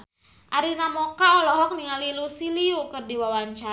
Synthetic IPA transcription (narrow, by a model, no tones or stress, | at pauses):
ʔaɾinamɔkaɔlɔɦɔk̚niŋalilusiliukərdiwawaɲt͡ʃa